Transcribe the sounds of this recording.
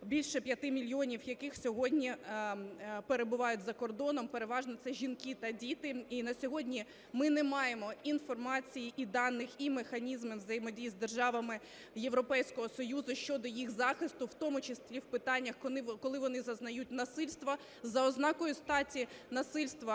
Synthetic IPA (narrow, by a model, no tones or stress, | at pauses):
bʲilʲʃɛpʲjɐt̪ɪmʲilʲjiɔnʲiwjɐkɪxsʲɔɦɔdʲnʲi | peɾe̞bʊʋɑjʊt̚ʲzɐkɔrd̪ɔnɔmpeɾeʋɑʒnɔt̪sɛʒʲinkɪt̪ɐdʲit̪ɪinɐsʲɔɦɔdʲnʲi | mɪnɛmɑjemɔinfɔrmɑt͡sʲijiʔid̪ɑnːɪximexɐnʲizmɪʋzɐjemɔdʲijizd̪erʒɑʋɐmɪ | jeʋɾɔpɛjsʲkɔɦɔsɔjuzʊʃt͡ʃɔd̪ɔjixzɑxɪst̪ʊwt̪ɔmʊt͡ʃɪslʲiwpɪt̪ɑnʲːɐxkɔlˠɪʋɔnɪzɐznɐjut̚ʲnɐsɪlʲst̪ʋɐ | zɐɔznɑkɔjʊst̪ɑtʲinɐsɪlʲst̪ʋɐ